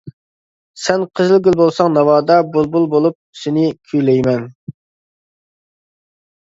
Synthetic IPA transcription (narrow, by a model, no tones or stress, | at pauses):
sɛnqʰəzɨlˠɡʲylbolˠsɑŋnɑwɑːd̪ɑbulˠbulˠbolˠup̚sɪnɪkʲʰyjlɛjmɛn